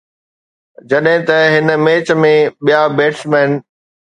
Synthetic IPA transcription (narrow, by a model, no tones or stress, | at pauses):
d͡ʑɐɗɦɪ̃t̪ɐɦɪnəmeːt͡ɕəmẽɓijabeːʈsmɛːn